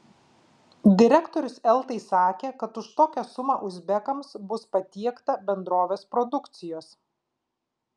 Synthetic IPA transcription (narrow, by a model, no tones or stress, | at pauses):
d̪ʲɪɾʲɛkt̪ɔɾʲʊsɛlˠt̪ɐɪsɑːkʲeːkɐt̪ʊʃt̪oːkʲɛsʊmɑːʔʊzʲbʲɛkɐmsbʊspɐt̪ʲiɛkt̪ɐbʲɛnd̪ɾoːʋʲeːspɾɔd̪ʊkt̪sʲɪjoːs